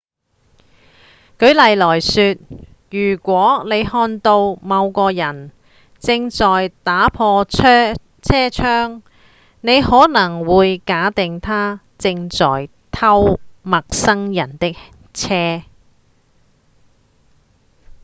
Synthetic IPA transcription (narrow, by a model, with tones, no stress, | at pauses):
kɵ˨˧ɥlɐ˨jlɔː˨˩jsyː˧t̚ | jyː˨˩kʷɔː˨˥ne˨˧jhɔː˧nt̪o˧wmɐ˨˧wkɔː˧jɐ˨˩n | t͡sɪ˧ŋt͡sɔː˨˩jt̪aː˨˥pʰɔː˧˥ | t͡sʰɛː˥t͡ʃʰœː˥ŋ | ne˨˧jhɔː˨˥nɐ˨˩ŋwuː˨˧jkaː˨˥t̪ɪ˨ŋt̪ʰaː˥ | t͡sɪ˧ŋt͡sɔ̰ː˨˩j | t̪ʰɐ˥wmɐ˨k̚sɐ˥ŋjɐ˨˩nt̪ɪ˥k̚ | t͡sʰɛː˥